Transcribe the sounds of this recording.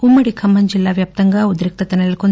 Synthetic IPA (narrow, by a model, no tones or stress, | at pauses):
umːɐɽikʰɐmːɐnd͡ʒilːaːʋjap̚t̪ɐŋɡɐud̪ɾik̚t̪ɐt̪ɐnelkon